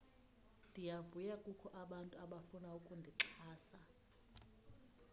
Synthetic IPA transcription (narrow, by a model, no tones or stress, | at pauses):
ndʱijavujakʼukʰɔʔaɓantʼuaɓafunaukʼundʱiǁʰaːsa